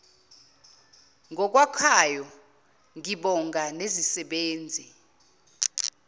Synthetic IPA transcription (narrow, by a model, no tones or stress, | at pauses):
ŋʱɔk̬ʼwakʰajɔ | ŋiɓɔŋɡʱanezisɛɓeːnd͡zʱi